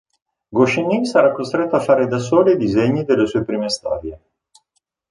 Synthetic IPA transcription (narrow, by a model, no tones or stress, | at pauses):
ɡoʃenːisaɾakːost̪ɾet̪ːoafːaːɾed̪as̬oːliid̪izeɲːid̪elːesuːepɾiːmest̪a̰ːd̪je